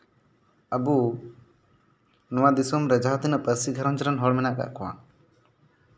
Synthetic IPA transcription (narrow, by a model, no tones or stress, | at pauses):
əbu | nɔwad̪isɔmɾɛd͡ʒaɦɔt̪inɔʔpəɾsiɡʱəɾɔnd͡ʒɾanɦɔɽmɛnaʔka̰ʔkɔwa̰